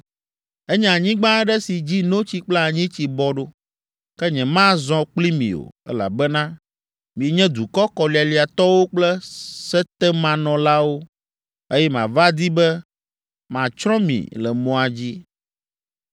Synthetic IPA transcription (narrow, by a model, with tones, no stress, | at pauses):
ɛ˦ɲɛ̃˨a˨ɲĩ˦ɡ͡bã˦ɖɛ˦si˨d͡ʑi˦nõ˦t͡ɕi˦k͡plɛ˦a˨ɲĩ˦t͡ɕi˨bɔ˦ɖo˦ | kɛ˦ɲɛ̃˨mã˦zɔ̃˦k͡pli˦mḭ̃˨o̰˨ɛ̰˦la̰˨bɛ˦nã˦ | mĩ˨e˨ɲɛ̃˦d̪u˨kɔ˦kɔ˨li˨a˨li˨a˨t̪ɔ˦wo˦k͡plɛ˦sɛ˦t̪ɛ˦mã˨nɔ̃˨la˦wo˦ | e˦jɛ˦mã̰˨va˦d̪i˦bɛ˦ | mã˨t͡ʃɾɔ̃˦mḭ̃˨lɛ˨mɔ̃˨a˨d͡ʑi˦